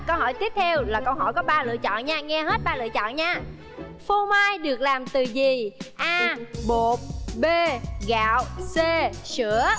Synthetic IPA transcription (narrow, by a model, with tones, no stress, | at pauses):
kə˧whɔ˧˩jt̪i˦˥əp̚t̪ʰɛ˧wlaː˨˩kə˧wɦɔ̰˧˩jkɔ˨˦ɓaː˧lɨ̰˧˨ət͡ɕɔ̰˧˨nɲaː˧ŋɛ˧ɦe˦˥t̚ɓaː˧lɨ̰˧˨ət͡ɕɔ̰˧˨nɲaː˧ | fo˧maː˧jɗɨ˨˩ək̚laː˨˩mt̪ɨ˨˩zi˨˩ʔaː˧ɓo˨˩t̚ɓe˧ɣa̰ː˧˨wse˧sɨ˧˥ə